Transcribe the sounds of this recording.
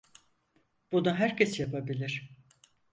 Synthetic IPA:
b̥unaɦæɾcesjapʰabilʲiɾ̝̥

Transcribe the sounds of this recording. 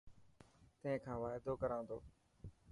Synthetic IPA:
t̪əɦẽːkʰãːʋaːɪd̪oːkəɾãːnd̪o̰ː

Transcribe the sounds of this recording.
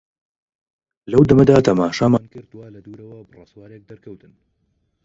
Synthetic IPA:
lɐwd̪ɐmɐd̪aːt̪ʰɐmaːʃaːmaːnkɨɾd̪waːlɐd̪uɾɐwɐbɨrɐ̰swaːɾek̚d̪ɐɾkʰɐwt̪ɨn

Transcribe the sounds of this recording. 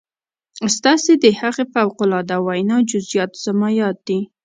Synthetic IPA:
st̪ɑsed̪əhaɣefawqʊlɑd̪awajnɑd͡ʒʊzjɑt̪z̥amajɑt̪̚d̪i

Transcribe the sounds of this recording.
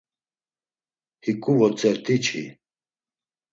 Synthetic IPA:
hikʼuvɔt͡sʼɛɾt̪ʰʼit͡ʃʰḭ

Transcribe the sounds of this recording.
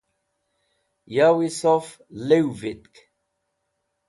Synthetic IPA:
jawisɔf | lewvit̪k

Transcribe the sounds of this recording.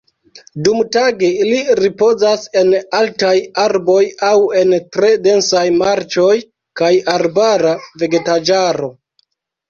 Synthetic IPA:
dumtaɡe̞iliɾipo̞zase̞naltajaɾbo̞jawe̞ntɾe̞de̞nsajmaɾt͡ʃo̞j | kajaɾbaɾave̞ɡe̞tad͡ʒaɾo̞

